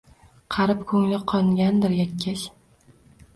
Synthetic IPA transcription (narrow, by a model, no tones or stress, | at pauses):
qʰɑɾɪp̚kʰɵŋlɪqʰɒŋɡʲand̪ɪɾjakʲʰːaʃ